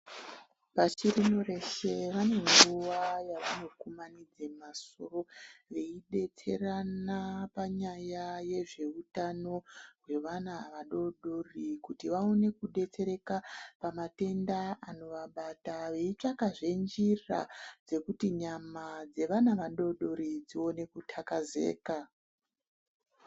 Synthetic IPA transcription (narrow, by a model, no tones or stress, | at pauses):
ʋat͡ʃiɾinore̞ʃe̞ʋane̞ŋɡuʋajaʋano̞kumanid͡zemasoro̞ʋe̞iɗe̞t͡se̞ranapaɲajaje̞ʐe̞utano̞rwe̞ʋanaʋaɗo̞ɗorikutiʋaone̞kuɗe̞t͡se̞ɾe̞kapamate̞ndaano̞ʋaɓataʋeit͡ʂakaʐe̞nd͡ʒira̰d͡ze̞kutiɲamad͡ze̞ʋanaʋaɗo̞ɗo̞ɾid͡zio̞ne̞kutʰakaze̞̰ːka